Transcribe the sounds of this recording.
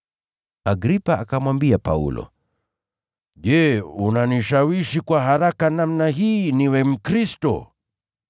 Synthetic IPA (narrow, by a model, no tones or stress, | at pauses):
aɡɾipaakamwambiapa̰ṵlɔ̰ | ʄɛunaniʃawiʃikwaɦaɾakanamnaɦiːniwɛm̩kɾistɔ̰